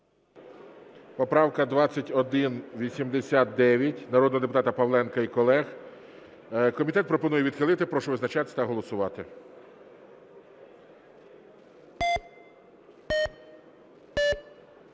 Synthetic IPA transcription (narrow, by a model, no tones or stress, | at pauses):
pɔpɾɑwkɐd̪ʋɑt͡sʲːɐtʲɔd̪ɪnʋʲisʲimd̪esʲat̪̚d̪ɛʋʲjɐtʲnɐɾɔd̪nɔɦɔd̪epʊt̪ɑt̪ɐpɐʋlˠɛnkɐikɔlˠɛx | kɔmʲit̪ɛt̪̚pɾɔpɔnujɛʋʲid̪xɪlˠɪt̪ɪpɾɔʃʊʋɪznɐt͡ʃɑt̪ɪ̥ɐt̪ɐɦɔlˠɔsʊʋɑt̪ɪ